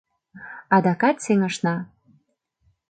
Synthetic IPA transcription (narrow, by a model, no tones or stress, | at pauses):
ɑd̪ɑkɑt̪seŋə̆ʃnɑ